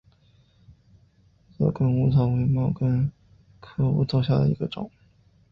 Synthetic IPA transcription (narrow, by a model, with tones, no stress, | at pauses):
t͡sɑ̰˥˧˩kə˥nu˧˥t͡sʰɑ˨˩ʊwe˧˥ɪmɑ˥˩ʊkə˥n | kʰɤ˥˩ṵ˧˥t͡sʰɑ˨˩ʊɕja̰˥˩d̪ə̰˩ḭ˧˥ɡ̥ə˧ʈ͡ʂʊ˨˩˦ŋ